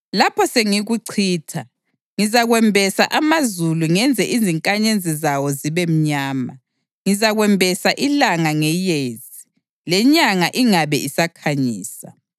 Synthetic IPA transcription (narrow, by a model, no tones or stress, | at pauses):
lapʰɔseŋiɣuǀʰiːtʰa | ŋizaɣwɛmbʱɛsa̰ʔamazuluŋɛnd͡zʱɛʔiziŋkʼaɲend͡zʱizawɔziβem̩ɲaːma | ŋizaɣwɛmbʱɛsaʔilaŋaŋɛjeːzi | lɛɲaŋaʔiŋaβɛisakʰaɲiːsa̰